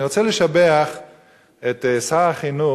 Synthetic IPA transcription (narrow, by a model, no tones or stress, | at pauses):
iʁot͡seleʃabeaχ | et̪saaχinu